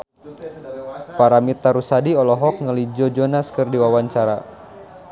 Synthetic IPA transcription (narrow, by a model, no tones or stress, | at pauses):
paɾamit̪aɾusadiɔlɔɦɔk̚ŋəlid͡ʒɔd͡ʒɔnaskɨrdiwawaɲt͡ʃaɾa